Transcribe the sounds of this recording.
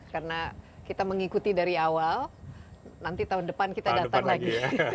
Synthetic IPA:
karənakit̪aməŋikut̪idaɾiawal | nant̪it̪aɦundəpankit̪adat̪aŋlaɡi

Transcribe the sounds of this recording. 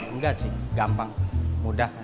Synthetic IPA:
ŋɡasiɡampaŋmudah

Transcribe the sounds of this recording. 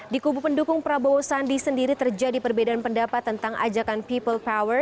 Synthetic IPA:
dikubupəndukʊŋpəɾabowosandisəndiɾit̪ərd͡ʒadipərbedaanpəndapat̪ːənt̪aŋʔa̰d͡ʒakanpipəlpawər

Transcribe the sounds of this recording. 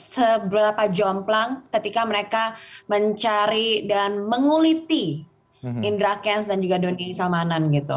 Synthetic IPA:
səbɾapad͡ʒɔmplaŋkət̪ikaməɾekaməɲt͡ʃaɾidanməŋulit̪i | indɾakɛnsdand͡ʒuɡadonisamananɡit̪ṵ

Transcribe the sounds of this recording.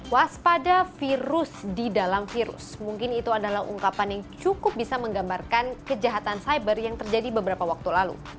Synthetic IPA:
waspadafiɾʊsdidalamfiɾʊ̰smuŋkɪnit̪uadalahṵŋkapanjaŋt͡ʃukʊp̚bisaməŋɡambarkankəd͡ʒaɦat̪ansajbərjaŋt̪ərd͡ʒadibəbəɾapawak̚t̪ulalṵ

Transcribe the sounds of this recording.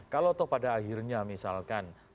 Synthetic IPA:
kalot̪ʊhpadaːɦirɲamisalkan

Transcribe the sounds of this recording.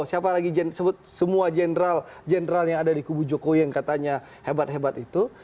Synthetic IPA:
siapalaɡid͡ʒɛnsəbʊt̪̚səmuad͡ʒenɾal | d͡ʒɛnɾaljaŋadadikubud͡ʒokowiaŋkat̪aɲa | hebat̪̚hebat̪it̪u

